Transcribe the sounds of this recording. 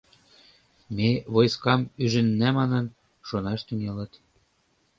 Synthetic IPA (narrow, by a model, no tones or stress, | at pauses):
meβojskɑmyʒɘ̆nːæmɑnɤ̆n | ʃonɑʃt̪ynelə̆t̪